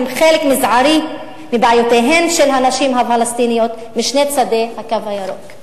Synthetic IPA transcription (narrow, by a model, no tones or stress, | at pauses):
mχelekmizʕaɾi | mibʕajot̪eɦe̞mʃelɦanaʃimɦafalast̪inijo̞t̪ | miʃnet͡sad̪e̞hakavhajaɾo̰k